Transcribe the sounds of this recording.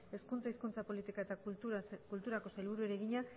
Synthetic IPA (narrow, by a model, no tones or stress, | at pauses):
e̞skunt͡saiskunt͡sapo̞lit̪ikaet̪akult̪uɾako̞salβuɾue̞ɾe̞ɣiɲa